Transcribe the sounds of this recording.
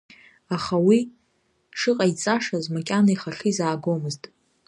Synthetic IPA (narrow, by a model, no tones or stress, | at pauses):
aχawi | ʂɨqʼait͡sʼaʂazmakʲʼanaiχaχizaːɡomɨztʼ